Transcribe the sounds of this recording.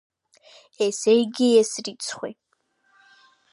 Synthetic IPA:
esejɡʲɪjɛsrit͡sʰχʷḛ

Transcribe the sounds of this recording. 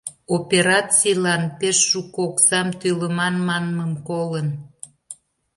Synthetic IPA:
opeɾɑt͡sijlɑnpeʃːukoksɑmt̪øləmɑnmɑnməmkolən

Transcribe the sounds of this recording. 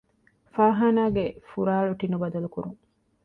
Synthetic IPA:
faːɦaːnaːɡefuɾaːɭuʈinubɐd̪ɐlukuɾuŋ

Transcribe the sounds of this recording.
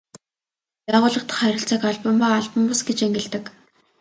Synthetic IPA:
pæːʁʊːɮə̆qt̪χœɾʲɪ̆ɬt͡sə̆kaɮpə̆mpaːɮpə̆mpasɡet͡ɕeŋɡɘ̆ɮt̪ɘ̆k

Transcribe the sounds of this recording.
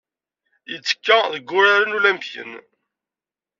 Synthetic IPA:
jət͡sːə̥kːæðəɡːʊɾaɾənulæmpçə̰n

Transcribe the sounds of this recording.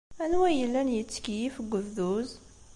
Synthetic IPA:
ænwæjəlːænjət͡sːkijifəɡʷːəvðuz

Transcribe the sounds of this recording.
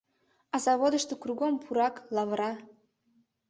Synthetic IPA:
ɑzɑβod̪əʃt̪okruɡompʰuɾɑklˠɑvɾɑ

